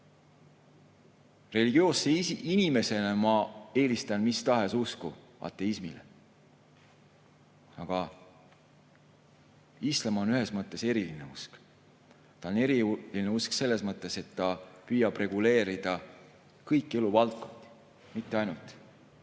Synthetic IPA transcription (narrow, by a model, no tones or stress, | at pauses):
re̞liɡ̥io̞ːseinime̞se̞nemɑe̞ːlist̪ɑnmist̪ɑɦe̞susku | ɑ̰t̪ːˑe̞ismilḛ | ɑɡ̥ɑ | islɑmonyɦesmɤt̪ˑːe̞se̞ɾiline̞usk | t̪ɑone̞ɾiline̞uskse̞lːe̞smɤt̪ːˑe̞se̞t̪ːɑpyjɑb̥re̞ɡ̥ule̞ːɾid̪̥ɑ | kɤjkːˑe̞luvɑlt̪̚ko̞nd̪̥i̥ | mit̪ˑːeɑjnult̪ˑ